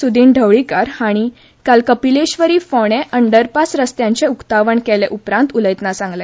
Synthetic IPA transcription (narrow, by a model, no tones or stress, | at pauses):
sud̪ʱiːɳɖʱəʋɭikaɾhaɽ̃i | kalkəpileɕʋəɾiːfɔɽ̃eʔəɳɖəɾpasɾəst̪jãɲt͡ɕeukt̪aʋəɳkɛleʔupɾãnt̪uləjt̪nasãŋɡle